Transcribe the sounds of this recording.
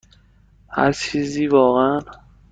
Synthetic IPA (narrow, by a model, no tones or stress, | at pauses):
hæ̰ɾt͡ʃʰiːziːvɒːɣeæn